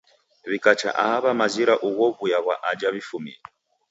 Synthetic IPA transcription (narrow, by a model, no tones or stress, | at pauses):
βikat͡ʃa̰ʔaɦaβamaziɾaʔuɣɔβujaɣwaʔad͡ʒaβifumḭla